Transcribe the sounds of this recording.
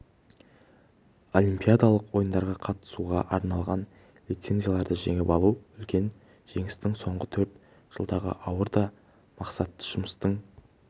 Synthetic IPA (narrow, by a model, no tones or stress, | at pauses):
olʲˠimpʲijad̪alˠəqwo̞jənd̪ɑɾʁɑqʰɑt̪ə̥suʁɑʔɑɾnɑlˠʁɑn | lʲit̪se̞nzʲijalˠɑɾd̪əʒeŋɪpɑlˠuʏlkʲe̞n | ʒ̥e̞ŋɪst̪ɪŋso̞ɴʁət̪ʰɵɾt̪ | ʒ̥əlˠd̪ɑʁə̰ʔɑwəɾd̪ɑ | mɑqsɑt̪ːə̥ʒ̥ʊməst̪əɴ